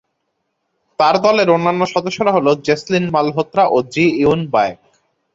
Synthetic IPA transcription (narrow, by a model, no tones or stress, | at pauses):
t̪aɾd̪ɔleɾonːanːoʃɔd̪oʃːoɾaɦolod͡ʑeslinmalɦot̪ːɾaʔod͡ʑijunbaek̚